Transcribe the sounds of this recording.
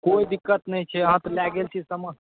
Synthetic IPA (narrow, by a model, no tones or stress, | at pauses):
koid̪ikːət̪nəjt͡ʃʰɛəɦãt̪ɔlaɡelt͡ʃʰisəməs